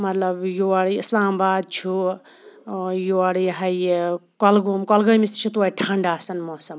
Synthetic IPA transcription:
mɐt̪lɐbjoaɽislaːmbaːd̪̚t͡ʃʰu | joaɽjɦajkɔlɡomkɔlɡəmist̪t͡ʃʰut̪̬uaiʈʰaɳɖaːsɐnmɔsɐm

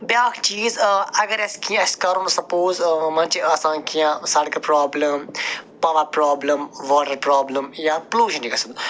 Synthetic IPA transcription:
bjaːkʰt͡ʃiːzɐɡɐɾeskʰĩɐskɐɾũnsɐpoːzmɐnt͡ʃiaːsãːnkʰijãsɐɽkɐpɾaːblɐmpɐʋɐpɾaːbləmʋɔːʈɐɾpɾaːbləmjapluːʃɐ̃nikɐsɐnd̪

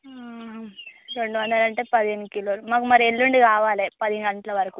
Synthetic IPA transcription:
ɾe̞ɳɖuʋɐnd̪ɐlɐɳʈe̞ːpɐd̪ienːukiloːlumaːkumɐɾielːuɳɖikaːʋaːleːpɐd̪iŋɡɐɳʈɐlɐʋɐɾɐku

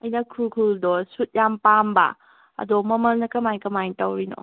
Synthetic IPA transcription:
ɐjnɐkʰukʰuldɔsut̚jampambɐ̰ | ɐ̰dɔmɐmɐlnɐkɐmajkɐmajtɐwɾino̰

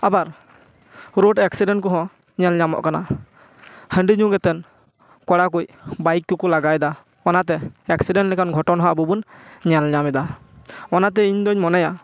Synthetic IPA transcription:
abaɾ | ɾoɖɛksiɖɛɳʈ̚kɔɦɔ̃ | ɲalɲamɔ̰ʔkana̰ | həɳɖiɲũɡɛt̪ɛn | kɔɽak̬ujbajkːukɔlaɡajd̪a | ɔnat̪ɛɛksiɖɛnʈlɛkanɡʱɔʈɔnɦɔ̃abubunɲalɲamɛd̪a | ɔnat̪ɛiɲd̪ɔɲmɔnaja

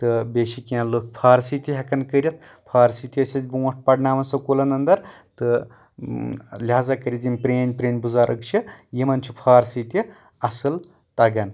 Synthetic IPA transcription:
t̪ɨbeːʃikiãlokpʰaːɾsiːt̪ʲiɦɐkɐnkəɾʲɐt̪̚ | pʰaːɾsit̪ʲiɐsʲɐd͡ʒʲbuwɐʈ̚ʰpɐɖnaːmɐnsɐkolɐnɐnd̪ɐɾ | t̪ɨ | lʲaːzakɐɾʲit̪imʲpɾeːnʲpɾeːnʲbuzaːɾʔɐkt͡ʃʰijimɐnt͡ʃʰupʰaːɾsit̪ʲi | ɐsɨl | t̪ɐɡɐn

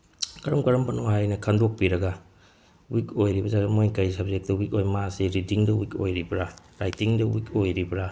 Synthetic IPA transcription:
kɐɾɐmkɐɾɐmpɐnohajnɐkʰandok̚piɾɐɡɐ | wikojɾibɐzaɾɐmojkajsɐb̚zek̚tɐwik̚ojmasiɾidiŋdɐwiko̰jɾibɾa | ɾajtiŋdɐwik̚ojɾibɾa

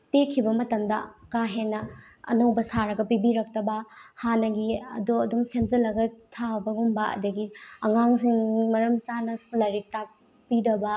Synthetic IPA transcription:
tekʰːibɐmɐtɐmdɐkaɦenːɐ | ɐ̰nowbɐsaɾɐɡɐpibiɾɐk̚tɐbɐhanɐɡiɐ̰doɐdumsemzɐlɐɡɐtʰabɐɡumbɐɐ̰dɐɡiɐŋaŋsiŋmɐɾɐmsanɐslɐɾik̚tak̚ | pidɐbɐ

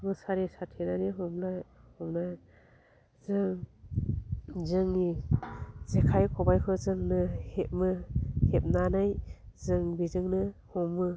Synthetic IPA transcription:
bɯsaɾisatʰenaniɦɔmlajhɔmnaj | zɯŋ | zɯŋni | zekʰajkʰɔbajkʰɯzɯŋnɯhet̚mɯhep̚nanajzɯŋbizɯŋnɯhɔmːɯ

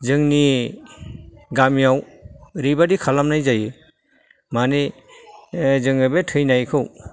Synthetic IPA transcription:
zɯŋni | ɡamijaw | ɾibadikʰalamnajzajɯ | mani | zɯŋɯbetʰɯjnajkʰɯw

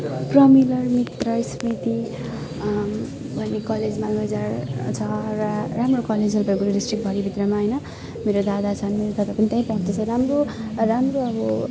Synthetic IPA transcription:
prʌmilʌrmit̪rʌsmit̪i | bʱʌnːekʌled͡zmalɡʌd͡zart͡sʰʌrʌramrokʌled͡zɦʌlbʌɡuɾdisʈrik̚bʱʌɾibʱit̪rʌmaɦʌjnʌ | meɾod̪ad̪at͡sʰʌnmeɾod̪ʌd̪apʌnit̪ãj̃pʌũt̪ʌt͡sʰʌɾamroramroʌbʌ

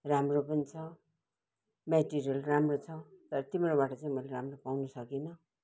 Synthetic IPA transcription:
ramropʌnit͡sʰʌ | meʈiɾijʌlramrot͡sʰʌt̪ʌɾʌt̪imɾobaʈʌt͡saĩmʌleɾamropawnʌsʌkinʌ

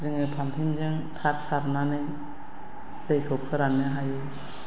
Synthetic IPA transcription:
zɯŋɯpʰampʰimzɯŋtʰak̚sʰaɾnanɯj | d̥ɯjkʰɯwkʰɯɾanaɦajɯj

